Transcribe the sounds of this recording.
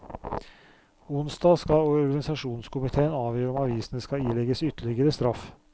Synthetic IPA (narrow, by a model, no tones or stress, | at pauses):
ʊnsd̪ɑːskɑlɔɔɾɡɑnɪsɑʂuːnskʰʊmɪt̪ʰeːənɑːʋjøːɾəɔmɑʋiːsənəskɑiːlɛɡəsʏt̪ːəɭɪɡəɾəst̪ɾɑf